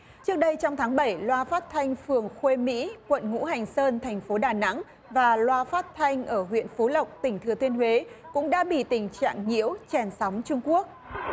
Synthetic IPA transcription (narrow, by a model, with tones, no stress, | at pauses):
t͡ɕɨ˦˥ək̚ɗə˧jt͡ɕɔ˧wŋ͡mt̪ʰaː˨˦ŋɓə˧˩jlwaː˧faː˦˥t̚t̪ʰa˧jŋ̟fɨ˨˩əŋxwe˧mḭ˧˥kwə̰˧˨nŋṵ˧˥ɦa˨˩jŋ̟səː˧nt̪ʰa˨˩jŋ̟fo˨˦ɗaː˨˩na̰˧˥ŋ | vaː˨˩lwaː˧faː˦˥t̚t̪ʰa˧jŋ̟ʔəː˧˩ɦwḭ˧˨ənfo˨˦lə˨˩wk͡p̚t̪ï˧˩ŋ̟t̪ʰɨ˨˩ət̪wi˧ənhwe˨˦kʊ̰˧˥ŋ͡mɗa̰ː˧˥ɓḭ˧˨t̪ï˨˩ŋ̟t͡ɕa̰ː˧˨ŋŋḭ˧˥əwt͡ɕɛ˨˩nsa˨˦wŋ͡mt͡ɕʊ˧ŋ͡mku˦˥ək̚